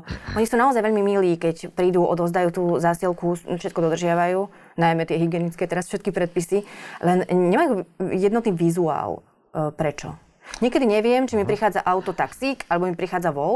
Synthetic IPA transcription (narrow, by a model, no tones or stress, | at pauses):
ʔɔɲisuːnaɔzajʋɛʎmimiliːkɛcpɾiːd̪uːʔɔ̰d̪ɔzd̪ajut̪uːzaːsilkufʃɛt̪kɔd̪ɔd̪r̩ʒɪaʋajuː | najmɛt̪ɪɛɦiɡɪɛnit͡skɛt̪ɛɾasfʃɛt̪̚kipɾɛt̪̚pisilɛnɲɛmajuːjɛd̪nɔt̪niːʋizua̰ːl | pɾɛt͡ʃɔ̰ | ɲɪɛkɛd̪iɲɛʋɪɛmt͡ʃimipɾixaːd͡zaʔaʊt̪ɔt̪aksiːkalɛbɔmipɾixaːd͡zaʋɔl